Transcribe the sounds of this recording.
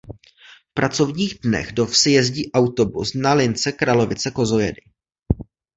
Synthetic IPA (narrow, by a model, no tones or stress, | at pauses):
fpɾat͡so̞vɲiːɣdnɛ̰ɣdo̞fsɪjɛzɟiːʔawt̪o̞busnalɪnt͡sɛkɾalo̞vɪt͡sɛko̞zo̞jɛ̰dɪ